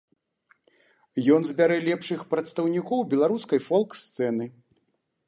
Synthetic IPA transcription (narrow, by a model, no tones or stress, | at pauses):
jɔnzbʲaɾɛlʲɛpʂɨxpɾɐt̪st̪ɐwnʲikɔwbʲɛlˠaɾuskɐjfɔlˠkst̪sɛnɨ